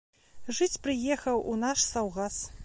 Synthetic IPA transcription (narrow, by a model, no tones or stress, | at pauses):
ʐɨt͡sʲpɾɨjɛxɐwunaʂsawɣas